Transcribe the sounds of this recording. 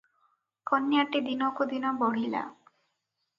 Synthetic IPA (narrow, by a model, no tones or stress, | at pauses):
kɔnjaʈid̪inɔkud̪inɔbɔɽ̤ila̰